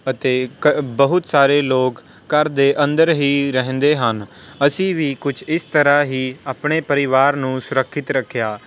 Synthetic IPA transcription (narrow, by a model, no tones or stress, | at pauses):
ət̪eːbəɦʊt̪saːɾeːloːkː | əɾd̪eːʔə̃nd̪əɾɦiːɾəɦə̃nd̪eːɦənəsĩːʋiːkʊt͡ʃʰɪst̪əɾaːɦiːaːpɳeːpəɾɪʋaːɾnũːsʊɾəkʰːɪt̪ɾəkʰːjaː